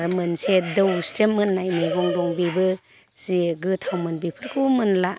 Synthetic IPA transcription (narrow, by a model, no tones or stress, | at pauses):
ɾmɯnsedɯwsɾemɯnːajmejɡɔŋdɔŋbibɯ | z̥iɡɯtʰawmɯnbipʰɯɾkʰɯmɯnla